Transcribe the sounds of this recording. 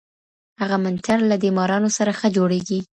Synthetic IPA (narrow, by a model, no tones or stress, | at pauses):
haɣamant̪ʰaɾlad̪imɑɾɑnosaɾaxəd͡ʒoɽeɡi